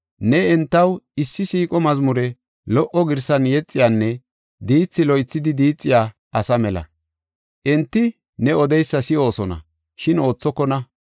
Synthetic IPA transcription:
nɛɛnt̪ːɐwɪsːɪsiːkʼɔmɐzmʊɾɛ | lɔʔɔɡɪɾsɐnjɛt͡sʼːɪjaːnːɛ | d̪iːt͡sːɪlɔjt͡sːɪd̪ɪd̪iːt͡sʼːɪjaː | ʔɐsɐmɛlɐ̰ | ʔɛnt̪ːɪ | nɛɔd̪ɛjsːɐsɪo̞ːsɔnɐ̰ | ʃɪno̞ːt͡sːɔkːɔnɐ

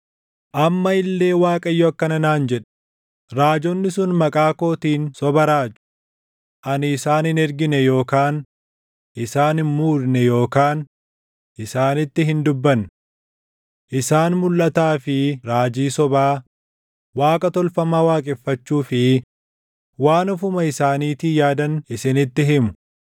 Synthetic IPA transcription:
ʔɐmːɐɪlːe̞ːwaːkʼɐjːɔɐkːɐnɐnaːnd͡ʒɛᶑɛ̥ | ɾaːd͡ʒɔnːɪsʊnmɐkʼaːko̞ːt̪iːnsɔbɐɾaːd͡ʒʊ̥ | ʔɐnɪːsaːnhɪnɛɾɡɪnɛjo̞ːkaːn | ʔɪsaːnɪnmuːɾnɛjo̞ːkaːn | ʔɪsaːnɪt̪ːɪɦɪnd̪ʊbːɐn | ʔɪsaːnmʊlːɐt̪aːfɪɾaːd͡ʒiːsɔbaː | waːkʼɐt̪ɔlfɐmaːwaːkʼɛfːɐt͡ʃːuːfɪ | waːnʊfʊmɐɪsaːniːt̪iːjaːd̪ɐnɪsɪnɪt̪ːɪɦɪmʊ̥

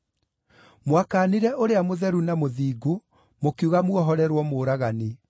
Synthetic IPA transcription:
mwakaːneɾɛʔoɾeamoðɛɾunamoðiːɡo | mokuɣamwɔɦɔɾɛɾwɔmoːɾaɣane

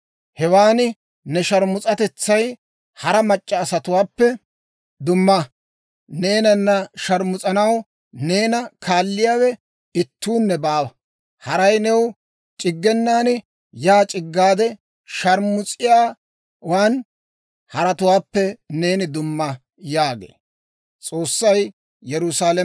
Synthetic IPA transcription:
hɛwaːnɪ | nɛʃɐɾmʊt͡sʼɐt̪ɛt͡sːɐj | hɐɾɐmɐt͡ʃʼːɐːsɐt̪ʊwaːpːɛ | d̪ʊmːɐ | neːnɐnːɐʃɐɾmʊt͡sʼɐnɐw | ne̞ːnɐkʰaːlːɪjaːwɛ | ɪt̪ːuːnːɛbaːwɐ | hɐɾɐjnɛw | t͡ʃʼɪɡːɛnːaːnɪ | jaːt͡ʃʼɪɡːaːd̪ɛ | ʃɐɾmʊt͡sʼɪjaː | waːn | hɐɾɐt̪ʊwaːpːɛne̞ːnɪd̪ʊmːɐ | jaːɡḛː | t͡sʼo̞ːsːɐj | jɛɾʊsaːl

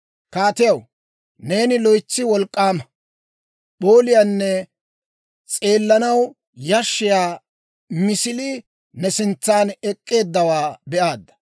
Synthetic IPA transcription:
kaːt̪ɪjɐw | ne̞ːnɪlɔjt͡sːɪwɔlkʼːaːmɐ | ɓo̞ːlɪjanːɛ | t͡sʼe̞ːlːɐnɐw | jɐʃːɪjaː | mɪsɪlɪ | nɛsɪnt͡sːaːnɛkʼːe̞ːd̪ːɐwaːbɛʔaːd̪ːɐ̥

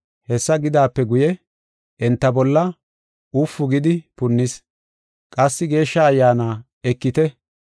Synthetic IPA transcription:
hɛsːɐɡɪd̪aːpːɛɡʊjɛ | ʔɛnt̪ːɐbɔlːɐ | ʊfːʊɡɪd̪ɪpʊnːɪs | kʼɐsːɪɡe̞ːʃːɐɐjːaːnaː | ɛkːɪt̪ɛ

